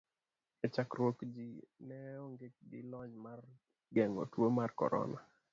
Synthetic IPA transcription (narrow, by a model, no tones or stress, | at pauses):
et͡ʃakɾwokd͡ʒinɛɔŋɡet͡ʃ̚ɡɪ̰lɔd͡ʒmar | ɡɛŋo̰twomarkɔ̰ɾɔ̰na